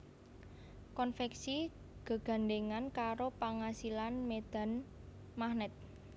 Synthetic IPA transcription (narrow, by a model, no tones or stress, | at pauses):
kɔnfɛksi | ɡ̥ə̤ɡ̥a̤nɖeŋankaɾopaŋasilanmed̪̥a̤n | mahnɛt̪̚